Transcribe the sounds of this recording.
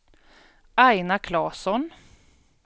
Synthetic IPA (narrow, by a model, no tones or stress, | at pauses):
ʔajnakʰlɑːsɔn